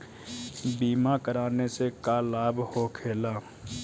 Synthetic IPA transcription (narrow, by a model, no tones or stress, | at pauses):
biːmakəɾaːnesekaːlaːbhokʰeːlaː